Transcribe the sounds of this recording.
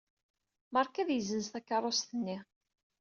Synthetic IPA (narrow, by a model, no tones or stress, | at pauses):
məɾˤkæðjəzənst̪ækːɑɾˤːost̪ənːi